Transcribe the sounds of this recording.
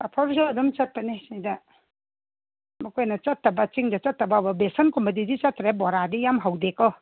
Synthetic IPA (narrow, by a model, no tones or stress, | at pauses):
apʰɔɾsɔdumt͡ʃɐt̚pɐnesidɐ | mɔkʰojnɐt͡ʃɐtːɐbɐt͡ʃiŋdɐt͡ʃɐtːɐbabɐbesɐnkɔmit̬idit͡ʃɐtɾebɔɾadijamɦawdekɔ